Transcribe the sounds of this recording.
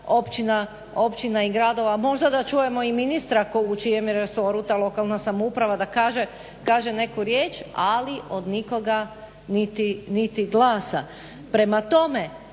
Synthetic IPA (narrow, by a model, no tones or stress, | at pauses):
o̞pt͡ʃina | o̞pt͡ʃinaiɡɾad̪o̞ʋamo̞ʒd̪ad̪at͡ʃuje̞mo̞iminist̪ɾakout͡ʃijemjeɾeso̞ɾut̪alˠo̞kalˠnasamoupɾaʋad̪akaːʒe | kaːʒene̞kuɾje̞ːt͡ʃaliʔo̞d̪niko̞ɡa | nit̪init̪iɡlˠaːsa | pɾe̞mat̪o̞me